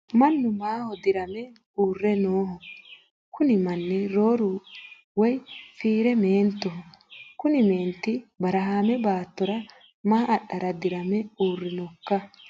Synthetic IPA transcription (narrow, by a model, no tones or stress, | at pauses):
mɐnːʊmaːhɔd̪ɪɾɐmɛ | uːrːɛnoːɦɔ | kʊnɪmɐnːɛɾo̞ːɾʊ | wɔjfiːɾɛmeːnt̪ːɔɦɔkʊnɪme̞ːnt̪ːɪbɐɾɐɦaːmɛbaːt̪ːɔɾɐ | maːʔɐɗːɐɾɐd̪ɪɾɐmɛuːrːɪnɔkːɐ